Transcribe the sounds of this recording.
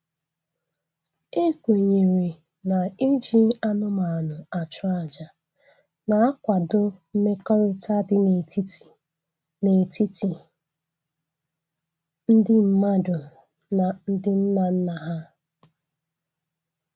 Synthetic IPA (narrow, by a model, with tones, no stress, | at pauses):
e˦kʷe˨ɲe˨ɾe˨ | na˨e˦d͡ʒi˦a˦nʊ˦ma˨a˨nʊ˨a˨t͡ʃʊ˦a˨d͡ʒa˨ | na˨a˦kʷa˨dʊ˦m̩˦me˦kɔ˦ɾɪ˦ta˦dɪ˦ne˨ti˦˨ | ne˨ti˦ti˨ | n̩˦dɪ˦m̩˦ma˦dʊ˨ | na˨n̩˦dɪ˦n̩˦na˨n̩˦na˨ɦa˦